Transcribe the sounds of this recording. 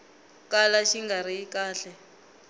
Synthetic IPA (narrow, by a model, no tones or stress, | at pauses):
kalaʃiŋɡaɾiikaːɬɛ